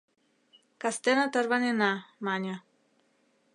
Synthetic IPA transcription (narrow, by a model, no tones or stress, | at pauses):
kast̪enat̪əɾβanenamaɲa